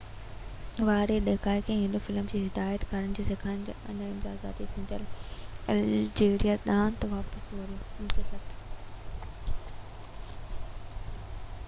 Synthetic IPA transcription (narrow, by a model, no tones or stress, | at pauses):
ʋaːɾeɗekaːikʰẽːɦɪ̃nd̪ofɪlmd͡ʑiːɦɪd̪aːət̪kʰaːɾənɪd͡ʑiːsekʰaːɪñd͡ʑɐ̰nɪmzaːza̰ːt̪it̪ʰĩːn̆d̪əlɐld͡ʑeːɾjaɗ̪ãːnt̪ʋaːpəsboɾimtʰisɐʈ